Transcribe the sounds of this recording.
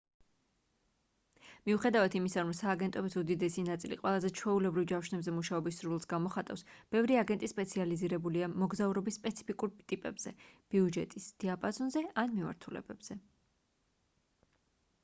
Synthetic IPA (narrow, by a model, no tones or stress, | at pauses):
miuχɛd̪avat̪ʰimisaɾɔmsaːɡɛnt̪ʼɔbisud̪id̪ɛsinat̪sʼilḭqʼwɛlˠazɛt͡ʃʰwɛulɛbɾivd͡ʒamʃnɛbzɛmuʃaɔbisːɾlˠsɡamɔχat̪ʼa̰fsb̥ɛvɾiaɡɛnt̪ʼispʼɛt̪sʰializiɾɛbuliamɔɡzauɾɔbisːpʼɛt̪sʰi̥pʰikʼuɾt̪ʼipʼɛ̰bz̥ɛ̰b̥iud͡ʒɛt̪ʼisd̪̥iapʼazɔnzɛanmima̰ɾt̪ʰulɛ̰bɛbz̥ɛ